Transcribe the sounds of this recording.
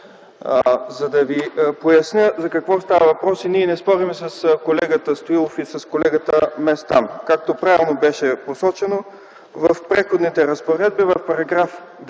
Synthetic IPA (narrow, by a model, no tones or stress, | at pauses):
zɐd̪ɐvipojɐsnʲəzɐkɐkvɔst̪avəvɐpɾɔsiniɛnɛspɔɾimɛsɐskolɛɡət̪əst̪oilˠofisɐskolɛɡət̪əmɛst̪a̰nkak̚t̪opɾavilˠnobɛʃɛposɔt͡ʃɛno | vɐfpɾɛxod̪nit̪ɛɾɐspoɾɛd̪̚bivɐfpɐɾɐɡɾaf | d̪